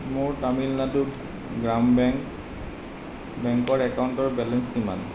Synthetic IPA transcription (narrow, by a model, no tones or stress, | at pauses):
mʊɹtamilnadu | ɡɹambɛŋk | bɛŋkɔɹɛkaʊntɔɹbɛlɛnskima̰n